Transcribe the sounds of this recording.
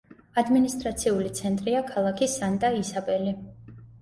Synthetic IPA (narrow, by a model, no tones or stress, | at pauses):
ad̪minist̪ʼɾat̪sʰiulit̪sʰɛnt̪ʼɾiakʰalˠakʰisant̪ʼaisapʼɛli